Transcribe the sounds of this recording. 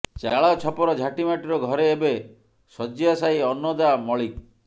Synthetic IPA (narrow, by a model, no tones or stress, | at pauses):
t͡ʃaɭat͡ʃʰɔpɔɾɔd͡ʒʱaʈimaʈiɾɔɡʱɔɾeːbe | sɔd͡ʒiasaiɔnːɔd̪amɔɭik